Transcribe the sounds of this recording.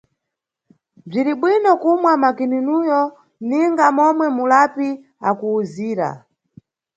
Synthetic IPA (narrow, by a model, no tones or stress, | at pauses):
b͡ʐiɾiɓwinɔkumwamakininujɔ | niŋɡamɔmwɛmulapi | akuːziːɾa̰